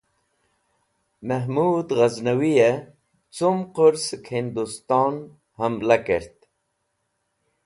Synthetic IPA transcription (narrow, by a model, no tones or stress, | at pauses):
məɦmuːd̪ɣaznawije | t͡sumqʊɾskhind̪ust̪ɑːn | həmlakeɾt̪